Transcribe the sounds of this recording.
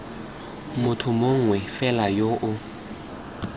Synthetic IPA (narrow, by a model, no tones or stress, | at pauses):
mʊtʰʊmoŋ̩wɛfɛlajoʔʊ